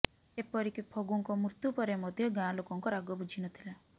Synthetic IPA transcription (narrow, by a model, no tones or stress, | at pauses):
epɔɾikipʰɔɡuŋkɔmuɾt̪upɔɾemɔd̪ʱjɔɡãlokɔŋkɔɾaɡɔbud͡ʒʱinɔt̪ʰila